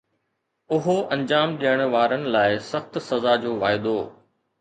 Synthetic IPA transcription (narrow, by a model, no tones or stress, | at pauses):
ʊɦoʔɐ̃ɲd͡ʑaːmɗijəɽ̃̆ʋaːɾənɪ̆laːɪsɐxt̪sɐzaːd͡ʑoːʋaːɪd̪oː